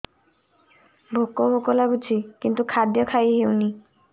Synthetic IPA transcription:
bʱokobokɔlabut͡ʃʰikint̪ukʰad̪jɔkʰajɦewni

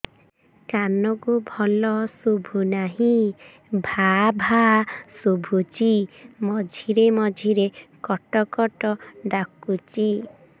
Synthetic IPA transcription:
kanɔkubʱɔlɔsubʱunaɦĩ | bʱabʱasubʱut͡ʃimɔd͡ʒʱiɾemɔd͡ʒʱiɾekɔʈɔkɔʈɔɖakut͡ʃi

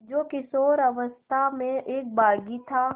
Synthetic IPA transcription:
d͡ʒoːkɪsoːɾɐʋəst̪ʰamẽʔeːk̚baːɡit̪ʰaː

